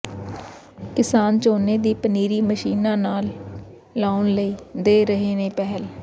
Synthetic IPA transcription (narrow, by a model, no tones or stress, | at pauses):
kɪsaːnt͡ʃoːneːd̪iːpəniːɾiːməʃiːnãːnaːlː | aːʊnləiːd̪eːɾəɦeːneːpɛɦəl